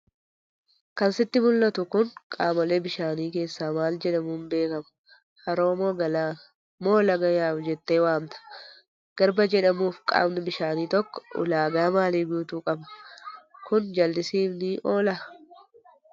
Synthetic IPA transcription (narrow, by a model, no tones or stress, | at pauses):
kɐnsɪt̪ːɪmʊlːɐt̪ʊkʊnkʼaːmɐleːbɪʃaːniːke̞ːsːaːmaːld͡ʒɛᶑɐmuːnbe̞ːkɐm | hɐɾo̞ːmoːɡɐlaː | moːlɐɡɐjaːfd͡ʒɛt̪ːe̞ːwaːmt̪ɐ̥ | ɡ̥ɐɾbɐd͡ʒɛᶑɐmuːfkʼa̰ːmnɪbɪʃaːniːt̪ɔkːɔ̥ʊ̰laːɡaːmaːliːɡuːt̪uːkʼɐbɐ̥ | kʊnd͡ʒɐld̪ɪsiːfnɪʔo̞ːlɐ